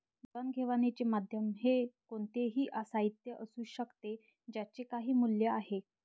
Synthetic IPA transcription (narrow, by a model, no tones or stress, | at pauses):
d͡zənɡʱeʋanet͡ɕemad̪ʱjəmɦekoɳt̪eɦiːʔasait̪jəʔəsuːɕəkt̪e | d͡ʑjat͡ɕekaɦiːmuljəaɦe